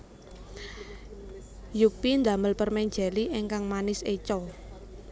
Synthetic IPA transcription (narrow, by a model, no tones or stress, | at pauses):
jupind̪ä̤məlpərmɛɲd͡ʒɛliʔeŋkaŋmanɪset͡ʃɔ